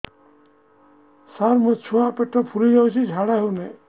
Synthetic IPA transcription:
saɾmɔt͡ʃʰuapeʈːɔpʰuɾid͡ʒawt͡ʃʰid͡ʒʱaɽaɦune

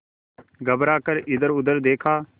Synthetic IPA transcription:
ɡəbɾaːkəɾʔɪd̪əɾʊd̪əɾd̪eːkʰaː

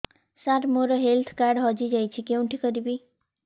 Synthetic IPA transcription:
saɾmoɾɔɦelt̪ʰkaɾɖɦɔd͡ʒid͡ʒajt͡ʃʰikew̃ʈʰikɔɾibi

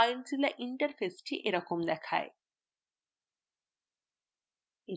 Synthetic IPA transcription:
jnt͡ɕilaʔiɳʈɐɾfesʈiʔeɾɔkomd̪ɛkʰa̰e | e

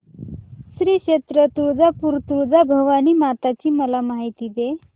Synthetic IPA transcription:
sɾiːkɕet̪ɾət̪uɾd͡zapuːɾt̪uɾd͡zabʱəʋaniːmat̪at͡ɕiːməlamaɦit̪iːd̪e

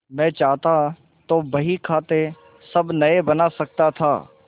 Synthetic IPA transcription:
mɛ̃ːt͡ʃaːɦt̪a | t̪oːbɐɦikʰaːt̪e | sɐbnɐebɐnasɐk̚t̪at̪ʰa̰ː

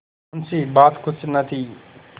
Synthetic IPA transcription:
nsiːbaːt̪kʊt͡ʃʰnət̪ʰiː

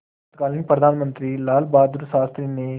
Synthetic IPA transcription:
t̪kaːlinpɾəd̪ʱaːnmə̃nt̪ɾiːlaːlbaːd̪uɾsaːst̪ɾiːneː

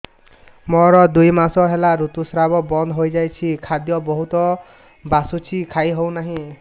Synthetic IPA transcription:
mɔɾɔd̪ujmasɔɦelaɾut̪usɾabɔbɔnd̪ʱɦojd͡ʒajt͡ʃʰikʰad̪jɔbɔɦut̪ɔ | basut͡ʃʰikʰajɦow̃naɦĩ

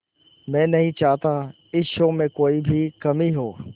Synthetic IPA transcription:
mɛ̃ːnɐɦĩt͡ʃaːɦt̪a | ɪʃõmẽkoːibʱikɐmiɦoː

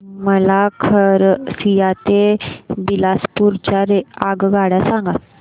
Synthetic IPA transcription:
məlakʰəɾsijat̪ebilaspuɾt͡ɕaɾeaɡɡaɽasãŋɡa

